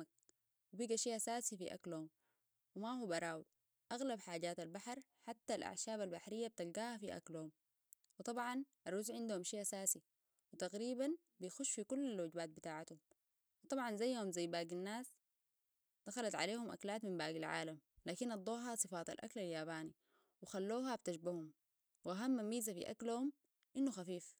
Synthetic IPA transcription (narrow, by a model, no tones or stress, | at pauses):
ak̚ | wibiɡaʃiːʔasaːsifḭʔa̰klhum | wimahubɑɾˤaːwi | ʔaɣlabħaːɟaːt̪albaħɑɾˤħat̪ːalʔa̰ʕʃaːβalbaħɾijːab̚t̪alɡaːhafiʔa̰klhum | wɨt̪ˤɑbʕɑnʔɑrˤuːzʕɪnd̪uhumʃeːʔasaːsi | wit̪aɣɾiːban | bijxuʃːfikulːalwaɟbaːt̪̚bit̪aːʕat̪hum | wɨt̪ˤɑbʕɑnzajːhumzajːbaːɡanːaːs | d̪̥axalat̪ʕa̰leːhumʔa̰klaːt̪mimbaːɡilʕa̰ːlamlaːkinʔɑd̪ˤːoːɦɑsˤɨfɑːt̪a̰lʔa̰klaljaːbaːni | wixalːoːɦab̚t̪aʃbahum | wʔaɦamːamːiːzafḭʔa̰klhum | ʔinːuxafiːf